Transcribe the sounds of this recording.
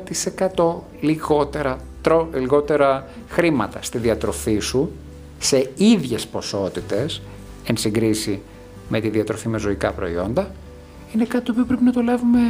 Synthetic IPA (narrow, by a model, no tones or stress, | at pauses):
t̪ise̞kɐt̪o̞ | liɣo̞t̪eɾɐ | t̪ɾoliɣo̞t̪e̞ɾɐ | xɾimɐt̪ɐst̪iðiɐt̪ɾo̞fisu | se̞iðʝe̞spo̞so̞t̪it̪e̞s | ensiŋɡɾisi | me̞t̪iðiɐt̪ɾo̞fime̞zo̞ikɐpɾo̞̰io̞nd̪ɐ | inekɐt̪it̪opio̞pɾe̞pinɐt̪o̞lɐvume